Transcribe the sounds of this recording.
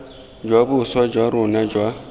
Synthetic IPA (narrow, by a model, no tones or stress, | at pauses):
d͡ʒwabʊswad͡ʒwaɾʊnad͡ʒwa